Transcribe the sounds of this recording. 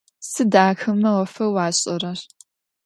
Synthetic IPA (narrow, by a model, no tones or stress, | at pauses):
sɨdaːxɐmːɐwɐfɐwɑːɕʼɐrɐr